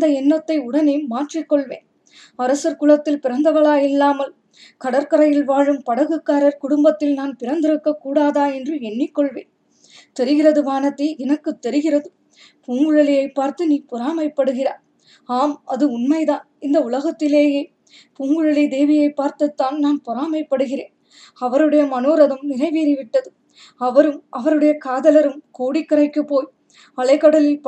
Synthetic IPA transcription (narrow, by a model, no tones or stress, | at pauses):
d̪ɐɛnːɐt̪ːɐɪʊɽɐneːmaːʈrɪkːɔɭʋeːn | ɐɾɐsɐɾkʊɭɐt̪ːɪlpɪɾɐnd̪ɐʋɐɭaːjɪlːaːmɐl | kɐɽɐɾkɐɾɐjɪlʋaːɻɯmpɐɽɐɣɯkːaːɾɐɾkʊɽʊmbɐt̪ːɪlnaːnpɪɾɐnd̪ɪɾɯkːɐkːuːɽaːðaːɛndrɯɛɳːɪkːɔɭʋḛːn | t̪ɛɾɯɣɪrɐðɯʋaːnɐt̪ːɪɛnɐkːɯt̪ːɛɾɯɣɪrɐðɯ | puːŋɡɯɻɐɭɪjɐɪpːaːɾt̪ɯniːpʊɾaːmɐɪpːɐɽɯɣɪrɐ̰ | aːmɐðɯʊnmɐɪðaːnɪnd̪ɐʊɭɐɣɐt̪ːɪleːjeː | puːŋɡɯɻɐlɪd̪eːʋɪjɐɪpːaːɾt̪ɐt̪ːaːnnaːnpɔɾaːmɐɪpːɐɽɯɣɪreːn | ɐʋɐɾɯɽɐjɐmɐnoːɾɐðɯmnɪɣɐɪʋiːɾɪʋɪʈːɐðɯ | ɐʋɐɾɯmʔɐʋɐɾɯɽɐjɐkaːðɐlɐɾɯmkoːɽɪkːɐɾɐɪkːɯpːoːj | ɐɭɐɪkːɐɽɐlɪlp